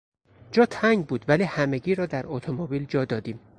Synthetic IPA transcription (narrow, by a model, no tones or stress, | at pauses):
d͡ʒɒːt̪ʰæŋɡbuːd̪væliːhæmeɡiːɾɒːd̪æɾot̪ʰomobiːld͡ʒɒːd̪ɒːd̪iːm